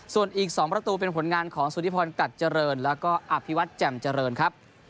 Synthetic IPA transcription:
su˨˩ənʔiː˨˩k̚sɔː˩˦ŋpɾa˧t̪uː˧p̬e˧npʰo˩˦nŋaː˧nkʰɔː˩˦ŋsuː˨˩˦ni˦˥pʰɔː˧nka˨˩t̪̚t͡ɕa˧ɾɤː˧nlɛː˦˥wkɔː˥˩ʔa˧pʰi˦˥wa˦˥t̪̚t͡ɕɛ˨˩mt͡ɕa˧ɾɤː˧nkʰa˦˥p̚

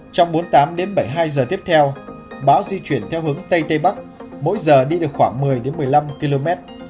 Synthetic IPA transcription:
t͡ɕɔ˧wŋ͡mɓo˨˦nt̪aː˨˦mɗe˨˦nɓə˧˩jɦaː˧jzəː˨˩t̪i˦˥əp̚t̪ʰɛ˧w | ɓaː˨˦wzi˧t͡ɕwi˧˩ənt̪ʰɛ˧wɦɨ˨˦əŋt̪ə˧jt̪ə˧jɓa˦˥k̚mo̰˧˥jzəː˨˩ɗi˧ɗɨ˨˩ək̚xwaː˧˩ŋmɨ˨˩əjɗe˨˦nmɨ˨˩əjla˧mki˧lo˧mɛ˦˥t̚

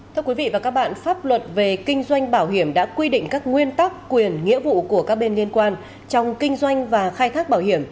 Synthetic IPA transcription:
t̪ʰɨ˧ə˧kwi˨˦vḭ˧˨vaː˨˩kaː˦˥k̚ɓa̰ː˧˨nfaː˦˥p̚lwə˨˩t̚ve˨˩kï˧ŋ̟zwa˧jŋ̟ɓaː˧˩wɦi˧˩əmɗa̰ː˧˥kwi˧ɗï˧˨ŋ̟kaː˦˥k̚ŋwi˧ənt̪a˦˥kːwi˨˩ənŋḭ˧˥əvṵ˧˨ku˧˩əka˦˥k̚ɓe˧nli˧ənkwaː˧n | t͡ɕɔ˧wŋ͡mkï˧ŋ̟zwa˧jŋ̟vaː˨˩xaː˧jt̪ʰaː˦˥k̚ɓaː˧˩whi˧˩əm

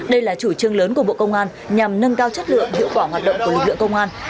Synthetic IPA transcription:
ɗə˧jlaː˨˩t͡ɕu˧˩t͡ɕɨ˧əŋləː˨˦nku˧˩əɓo̰˧˨kə˧wŋ͡mʔaː˧n | ɲa˨˩mnə˧nkaː˧wt͡ɕə˦˥t̚lɨ̰˧˨əŋhḭ˧˨əwkwaː˧˩ɦwaː˨˩t̚ɗə̰˧˨ŋ͡mklɨ˨˩k̚lɨ̰˧˨kə˧wŋ͡mʔaː˧n

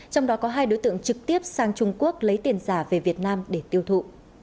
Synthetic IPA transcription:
t͡ɕɔ˧wŋ͡mɗɔ˨˦kɔ˨˦ɦaː˧jɗo˨˦jt̪ɨ̰˧˨əŋt͡ɕɨ˨˩k̚t̪i˦˥əp̚saː˧ŋt͡ɕʊ˧ŋ͡mku˦˥ək̚lə˨˦jt̪i˨˩ənzaː˧˩ve˨˩vi˨˩ət̚naː˧mɗe˧˩t̪i˧əwt̪ʰṵ˧˨

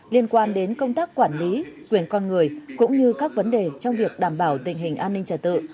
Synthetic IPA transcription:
li˧ənkwaː˧nɗe˨˦nkə˧wŋ͡mt̪aː˦˥k̚kːwaː˧˩nli˨˦kwi˧˩ənkɔ˧nŋɨ˨˩əjkʊ̰˧˥ŋ͡mɲɨ˧kaː˦˥k̚və˨˦nɗe˨˩t͡ɕɔ˧wŋ͡mvi˨˩ək̚ɗaː˧˩mɓaː˧˩wt̪ï˨˩ŋ̟ɦï˨˩ŋ̟ʔaː˧nːï˧ŋ̟t͡ɕəː˧˩t̪ɨ̰˧˨

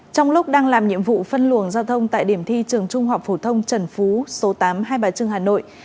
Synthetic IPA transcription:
t͡ɕɔ˧wŋ͡mlʊ˦˥k͡p̚ɗaː˧ŋlaː˨˩mɲḭ˧˨əmvṵ˧˨fə˧nlu˧˩əŋzaː˧wt̪ʰə˧wŋ͡mt̪a̰ː˧˨jɗi˧˩əmt̪ʰi˧t͡ɕɨ˨˩əŋt͡ɕʊ˧ŋ͡mɦa˨˩wk͡p̚fo˧˩t̪ʰə˧wŋ͡mt͡ɕə˨˩nfu˨˦so˨˦t̪aː˨˦mɦaː˧jɓaː˨˦jt͡ɕɨ˧əŋhaː˨˩no̰˧˨j

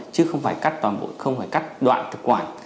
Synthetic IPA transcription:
t͡ɕɨ˨˦xə˧wŋ͡mfaː˧˩jka˦˥k̚t̪waː˨˩nɓo̰˧˨nxə˧wŋ͡mfaː˧˩jka˦˥jk̚ɗwa̰ː˧˨nt̪ʰɨ˨˩k̚kwaː˧˩n

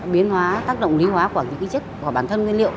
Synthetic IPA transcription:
ɓi˨˦ənhwaː˨˦t̪aː˦˥k̚ɗə̰˧˨wŋ͡mli˨˦ɦwaː˨˦kwaː˧˩ɲɨ̰˧˥ŋki˨˦t͡ɕə˦˥k̚waː˨˧˩ɓaː˧˩nt̪ʰə˧nŋwi˧nlḭ˧˨əw

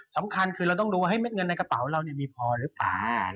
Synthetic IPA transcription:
sa˩˦mkʰa˧nkʰɯː˧ɾa˧wt̪ɔ˥˩ŋduː˧waː˥˩ɦa˥˩jme˦˥t̪̚ŋɤ˧nːa˧jka˧pa˨˩˦wɾa˧wni˥˩ɐmiː˧pʰɔː˧ɾɯː˨˦pa̰ː˨˩

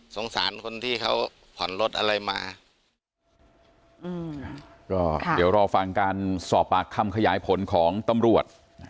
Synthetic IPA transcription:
so˩˦ŋsaː˩˦nkʰo˧nt̪ʰiː˥˩kʰa˦˥˩w | pʰɔ˨˩˦nlo˦˥t̪̚ʔa˧ɾa˧jmaː˧ | ɯ˧˩ | kɔː˥˩d̪i˩˦əwɾɔː˧fa˧ŋkaː˧nsɔː˨˩p̚ʔaː˨˩kʰːa˧mkʰa˧jaː˩˦jpʰo˩˦nkʰɔː˩˦ŋt̪a˧mɾu˨˩ət̪̚

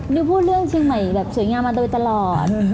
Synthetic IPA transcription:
niː˦˥pʰuː˥˩t̪̚ɾɯ˥˩əŋt͡ɕʰi˧ŋma˨˩jbɛː˨˩p̚su˩˦jŋaː˧mːaː˧t̪a˧e˧˩t̪a˧lɔː˨˩t̪̚

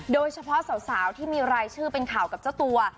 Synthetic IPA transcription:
doː˧jt͡ɕʰa˧pʰɔ˦˥ʔsa˨˩˦wsaː˩˦wt̪ʰiː˥˩miː˧ɾaː˧jt͡ɕʰɯː˥˩pe˧nkʰaː˨˩wka˨˩p̚t͡ɕa˥˩wt̪u˧ɐ

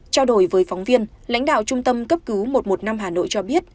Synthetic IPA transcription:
t͡ɕa˧wɗo˨˩jvəː˨˦jfɔ˨˦ŋ͡mvi˧ən | la̰˧˥jŋ̟ɗa̰ː˧˨wt͡ɕʊ˧ŋ͡mt̪ə˧mkə˦˥p̚kɨ˨˦wmo˨˩t̚mo˨˩t̚na˧mɦaː˨˩no̰˧˨jt͡ɕɔ˧ɓi˦˥ət̚

